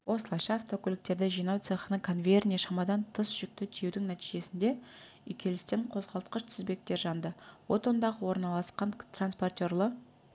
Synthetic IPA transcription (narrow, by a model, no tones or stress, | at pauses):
wo̞səlˠɑʃɑːft̪o̞kʰʲʏlɪk̚t̪e̞ɾd̪ɪʒijnɑwt̪seχənəkʰo̞nvʲe̞rnʲijaʃɑmɑd̪ɑnt̪ʰəsʒ̥ʏk̚t̪ɪt̪ʰije̞wd̪ɪŋnæt̪iʒe̞sɪnd̪e̞ | ʏjkʲʰe̞lɪst̪eɴqʰo̞zʁɑlˠt̪qəʃt̪ʰɪzbe̞k̚t̪e̞ɾʒɑnd̪əwo̞t̪o̞nd̪ɑʁəwo̞ɾnɑlˠɑsqɑnt̪ranspo̞rt̪ʲo̞rlˠə